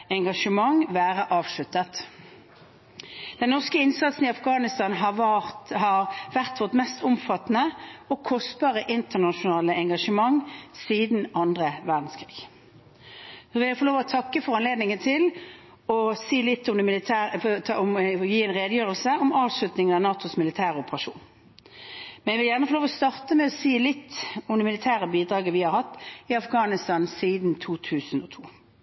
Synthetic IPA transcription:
ɛŋɡɑʂəmɑŋʋæːʁəʔɑːʋʂɭʉt̪ːət̪ | d̪̥ɛnnɔʁskəɪnsɑt̪sn̩ɪɑfɡɑːnɪst̪ɑnɦɑhɑʁʋæʁt̪ʋɔt̪mɛst̪ʊmfɑt̪ːnəɔkʰɔst̪bɑʁəʔɪnt̪ənɑʃʊnɑːləɛŋɡɑʂəmɑŋːsiːd̪n̩ɑnd̪ʁəʋæʁd̪n̩skʰʁḭːɡ̥ | sɔʋɪljæfɔloːʋɔt̪ʰɑkːəfɔʁɑnleːd̪nɪŋət̪ʰɪl | ɔsiːlɪt̪ːɔmd̪ɛmɪlɪt̪ʰæːɔmjiːɛnʁeːd̪əjøːʁəlsəɔmɑːʋslʉt̪nɪŋənɑnɑːt̪ʊsmɪlɪt̪ʰæːʁʊpəʁɑʂṵːn | mɛnɛʋɪljæʁnəfɔʁloːʋɔst̪ɑʁt̪əmɛɔsiːlɪt̪ːɔmd̪ɛmɪlɪt̪ʰæːʁəbiːd̪ʁɑːɡəʋɪhɑɾhɑt̪ːɪɑfɡɑːnɪst̪ɑnsiːd̪nt̪ʰuːt̪ʰʉːsnɔt̪ʰuː

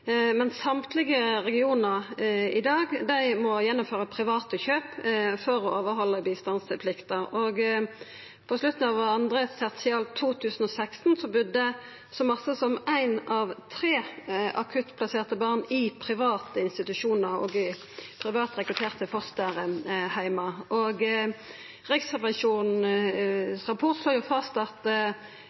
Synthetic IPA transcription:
mɛnsɑmt̪ʰlɪɡəɾɛɡɪuːnəʁɪd̪ɑːɡd̪æɪmɔjɛnːʊmføːʁəpʰɾɪʋɑːt̪əçøːpfɔɾɔoːʋəɾɦɔlːəbiːst̪ɑnspʰlɪkt̪əɾɔɡ | pʰɔslʉt̪n̩ɑʋɑnd̪ʁeːst̪ɛʁt̪sɪɑːlt̪ʰuːt̪ʰʉːsən̩ɔsæɪkst̪nsɔbʉd̪ːə | sɔmɑsəsɔmæɪnɑʋt̪ʰʁeːʔɑkʰʉt̪pʰlɑseːʁt̪əbɑʁnɪpʰʁɪʋɑːt̪əɪnst̪ɪt̪ʉʂuːnəʁɔ̰ɡɪ | pʰɾɪʋɑːt̪ʁɛkɾʉt̪ʰeːʁt̪ʰəfɔʁst̪əʁəhæɪmɑʔɔɡ | ʁɪksʁɛʋɑnʃuːn | sʁɑpʰɔʁt̪sloːjʊfɑst̪ɑt̪

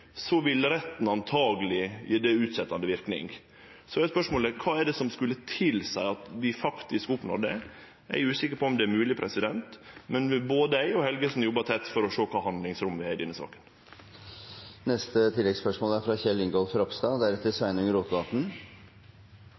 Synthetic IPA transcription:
sɔʋɪlɾɛt̪ːn̩ɑnt̪ʰɑːɡəlɪḭɖ̪ɛʉːt̪sɛt̪ːɑnd̪əʋɪɾknɪ̰ŋ | sɔɛspœʂmoːləkʰɑːɛɖɛsɔmskʉlːət̪ʰɪlsæɪɑt̪ʋɪfɑkt̪ɪskʊpnɔ̰ɾɖɛ | æ̰ɪʉːsɪkːəɾpʰɔɔmd̪ɛæɾmʉːlɪpʰɾʔɛsɪd̪ɛnt̪mɛnboːd̪əæɪɔhɛlɡəsn̩jɔbɑt̪ʰɛt̪ːfɔɾɔʂoːkʰɑːhɑnd̪lɪŋsɾʊmʋɪhæɪd̪ɛnːəsɑ̰ːkə̥n | nɛst̪ət̪ʰɪlːɛɡspœʂmoːlæɾfɾɑːçɛlɪŋɡolfɾɔpst̪ɑd̪æɾɛt̪ːəsʋæɪnʉŋɾuːt̪ɡɑːt̪n̩

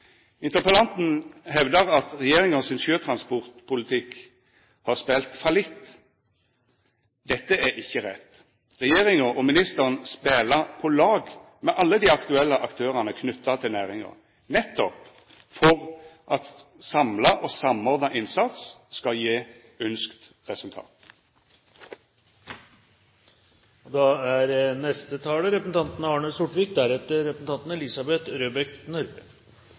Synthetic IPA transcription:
ɪnt̪əpəlɑnt̪n̩ɦɛʋd̪əʁɑt̪ʁɛjeːɾɪŋɔsɪnʃøːt̪ʰʁɑnspɔʁt̪pʰʊlɪt̪ʰɪk | hɑʁspeːlt̪fəlɪt̪ː | d̪ɛt̪ːəæɾɪçːəɾɛt̪ː | ʁɛjeːʁɪŋɔʔɔmɪnɪst̪əʁənspeːlɑpʰɔlɑːɡ | mɛʔɑlːəd̪iːɑkt̪ʉɛlːəʔɑkt̪ʰøːʁɑnəkʰnʉt̪ːɑt̪ʰɪlnæːʁɪŋɑ̰ | nɛt̪ːɔp | fɔʁʔɑt̪sɑmlɑʔɔsɑmɔʁd̪nɑʔɪnsɑt̪sskɑljeː | ʉnskt̪ | ʁɛsʉlt̪ʰɑ̰ːt̪ | d̪ɑæɾnɛst̪ət̪ʰɑːləɾɛpəsn̩t̪ɑnt̪n̩ɑːɳəsʊʈʋɪkd̪æɾɛt̪ːəɾɛpəsn̩t̪ɑnt̪n̩ɛlɪsɑbɛt̪ɾøːbɛknœɾb

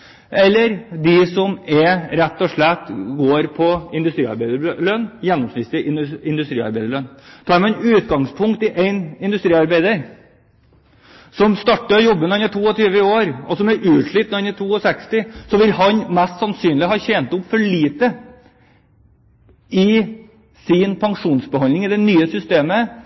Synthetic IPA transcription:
ɛlːəɾd̪ɪsɔmɛɾɛt̪ːɔʂɭɛt̪ːɡoːɾpʰɔɪnd̪ʉst̪ɾiːɑ̰ɾbæɪd̪əɭœnːjɛnːɔmsmɪst̪ɪɪnd̪ʉst̪ɾiːɑ̰ɾbæɪd̪əɭœnt̪ʰɑːɾmɛɛnʉːt̪ɡɑŋspʰʊŋkt̪ɪʔæɪnɪnd̪ʉst̪ɾiːɑɾbæɪd̪əɾ | sɔmst̪ɑʈːəjɔbːənɑnɛt̪ʰuːɔt̪ʰyːʋəɪoːɾɔ̰sɔmɛʔʉːʂɭiːt̪nnɛt̪ʰuːɔsɛkst̪ɪsɔʋɪlhɑnmɛst̪sɑnsyːnlɪɦɑːçɛːnt̪ʊpfɔɭiːt̪ə | ɪ | sɪnpʰɑŋʂuːnsbəhɑnɪŋɪd̪ɛnyːəsʏst̪eːmə

